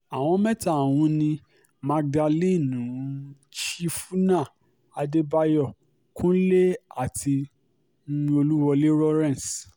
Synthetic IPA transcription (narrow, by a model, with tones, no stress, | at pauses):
a˨w̃ɔ̃˧˦mɛ̃˦ta˦˨wũ˧˦nĩ˧ | ma˧k̚da˧li˦˨nũ˨˦ | ʃi˦fu˦nã˦˨ | a˨de˦ba˦jɔ˦˨ | kũ˦le˦a˦˨ti˧˦ | ĩ˧o˧lu˦wɔ˧le˦ɾɔ˦ɾɛ̃˦˨n˨s